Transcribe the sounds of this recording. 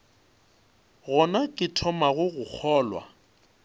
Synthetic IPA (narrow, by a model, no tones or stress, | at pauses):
ɣɔnakʼɪtʰɔmaɣʊɣʊk͡xʰɔːlwa̰